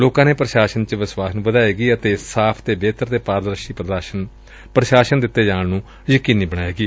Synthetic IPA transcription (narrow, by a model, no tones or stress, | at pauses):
loːkãːneːpɾəʃaːʃənt͡ʃəʋɪswaːsnũːbəd̪aːeːɡiːət̪eːsaːpʰt̪eːbeːt̪əɾt̪eːpaːɾd̪ɾəʃiː | pɾəʃaːʃənd̪ɪt̪ːeːd͡ʒaːɳnũː | jəkiːniːbəɽaːeːɡiː